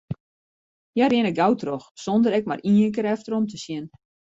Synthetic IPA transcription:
jarjɪnəɡawtroxsondəɾɛk̚ma̰rʔiːəŋkəɾɛftəɾɔmtəsjɪn

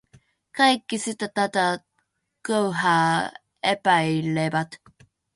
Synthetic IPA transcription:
kajkːisit̪at̪at̪a | kowɦa | epajilebat̪

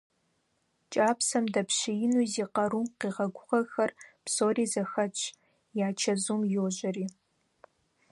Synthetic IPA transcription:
t͡ʃʼaːpsɐmdɐpɕɪjɪnuːziːqɐɾuːmqiːʁɐɡʷʊʁɐxɐrpsoːriːzɐxɐt͡ʃʼʰ | jaːt͡ʃʰɐzuːmjoːʑɐriː

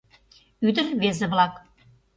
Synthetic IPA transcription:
yd̪ə̆rβezĕβlɑk

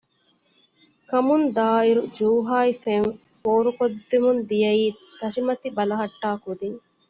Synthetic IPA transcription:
kɐmund̪aːiɾud͡ʒuːɦaːjfeŋ | foːɾukod̪ːimund̪ijɐiːt̪ɐʃimɐt̪ibɐlɐɦɐʈːaːkud̪iŋ

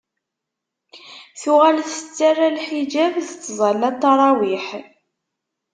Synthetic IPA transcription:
θʊʁælθə̥t͡sːarːalħid͡ʒævðt͡sːzˤɑlːɑt̪ːɑɾˤɑwiħ

